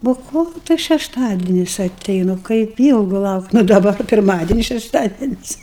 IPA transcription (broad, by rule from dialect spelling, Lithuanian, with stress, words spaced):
ˈbuɔ ˈkoːlˠ tɐs ʃʲɛʃˈtɑːdʲɛnʲɪs ɐˈtʲɛɪnʊ kɐɪp ˈiːlˠɡʊ ˈlˠɐʊktʲ nʊ dɐˈbɐ kɐɪ pʲɪrˈmɑːdʲɛnʲɪs ʃʲɛʃˈtɑːdʲɛnʲɪs